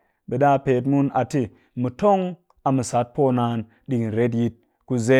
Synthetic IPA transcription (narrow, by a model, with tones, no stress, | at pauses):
ɓe˨ɗa˦˨peː˨t̬mu˦na˨ti˦ | mi˨to˦ŋ | a˨mi˨sa˨˦t̚po˦naː˧˦n | ɗi˨kɾe˦t̬ji˧t̚ | ku˦ze˦